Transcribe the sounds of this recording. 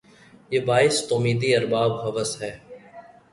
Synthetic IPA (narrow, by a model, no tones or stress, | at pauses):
jeːbaːɪst̪oːmiːd̪iəɾbaːbɦəʋəsɦɛː